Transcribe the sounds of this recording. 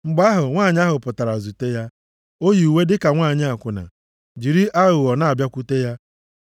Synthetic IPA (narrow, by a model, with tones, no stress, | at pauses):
ŋ͡m̩˨ɡ͡ba˦ɦʊ˨ŋʷaː˦˨ɲ˦a˦ɦʊ˨pʊ˨ta˨ɾa˨zu˨te˦ja˦ | o˦ji˨u˨we˦dɪ˦ka˨ŋʷaː˦˨ɲɪ˦a˨kʷʊ˨na̰˨ | d͡ʒi˨ɾi˦ʔa˦ɣʊ˨ɣɔ˨na˨a˨bja˦kʷu˦te˦ja˦